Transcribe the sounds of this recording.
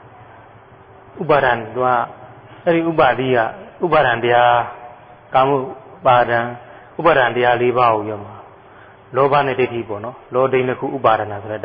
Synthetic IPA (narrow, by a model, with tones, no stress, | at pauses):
u˦˨ba˨ɾã˨t̪u˨a˦˨ | ɛ˦ɾi˨ʔu˦˨ba˨d̪ḭ˦˨ɡa̰˦˨u˦˨ba˨ɾã˨ntəja˦ | ka˨mu˦˨ba˨dã˨ | u˦˨ba˨ɾã˨ntə˦ja˦le˦ba˦o˨jɔ˦˨ma˨ | lɔ˦ba˦˨nɛ̰˦˨te˦˨tʰi˦˨pɔ̰˦˨nɔ˦lɔ˦dẽ˦˨nə˦kʰṵ˦ʔṵ˦˨ba˨ɾã˨na˨sʰo˨ɛ˦˨d